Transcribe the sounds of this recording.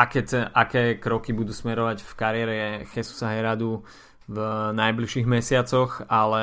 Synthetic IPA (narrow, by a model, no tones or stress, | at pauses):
akɛt͡sɛʔakɛːkɾɔkibud̪uːsmɛɾɔʋaɟfkaɾɪɛɾɛɛxɛsu̥saɦɛɾad̪u | vnajbliʃiːɣmɛsɪat͡sɔxalɛ